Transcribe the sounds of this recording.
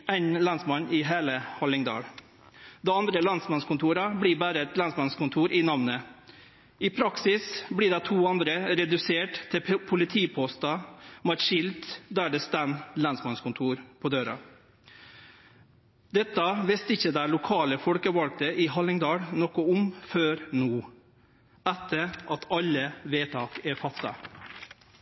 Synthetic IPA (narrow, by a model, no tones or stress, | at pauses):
æɪnlɑnsmɑnɪɦeːləhɑlɪŋd̪ɑ̰ːɽ | d̪ɛɑnd̪ɾəlɑnsmɑnskʊnt̪ʰuːɾɑbɽiːbæːɾəɛt̪lɑnsmɑnskʊnt̪ʰuːɾʔɪnɑʋnə | ɪpʰɾɑksɪsbɽiːɖɑt̪ʰuːɑnd̪ɾəɾɛd̪ʉseːʈt̪ʰːɪpʰʊlɪt̪ʰiːpʰɔst̪ɑmɑtʂɪld̪d̪æːɖəst̪ænlɑnsmɑnskʊnt̪ʰuːɾpʰoːd̪øːɾɑ̰ | d̪ɛt̪ːɑʋɛst̪ɪçːəd̪æɪlʊkʰɑːləfɔlkəʋɑlɡ̚t̪əʔɪɦɑlɪŋd̪ɑːɽnɔkʊʊmføːɾnuː | æt̪ʰːəɾʔɑt̪ʰɑlːəʋeːt̪ʰɑːkɛɾfɑt̪ːɑ̰